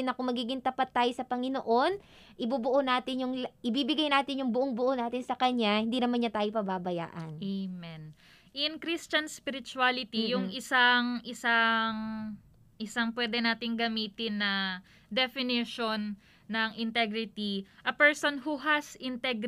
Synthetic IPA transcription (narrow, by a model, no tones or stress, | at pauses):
ɪnɐkomɐɡiːɡɪŋt̪ɐpat̪ːaːjosɐpɐŋɪnoʔo̞n | ʔɪbubʊʔonaːt̪ɪnjʊŋlʔɪbiːbɪɡajnaːt̪ɪnjʊŋbʊʔoŋbʊʔonaːt̪ɪnsɐkɐɲːahɪnd̪inɐmanɲɐt̪aːjopɐbabɐja̰ːʔɐnemɛn | ʔɪnkɾist͡ʃɐnspɪɾɪt͡ʃualɪt̪ijʊŋʔɪsaŋʔɪsaŋ | ʔɪsaŋpwɛːd̪ɛnaːt̪ɪŋɡɐmiːt̪ɪnːɐ | d̪ɛfɪnɪʃonː | ɐŋʔɪnt̪ɛɡɾɪt̪iʔɐpɛɹsonɦuɦɐsɪnt̪ɛɡ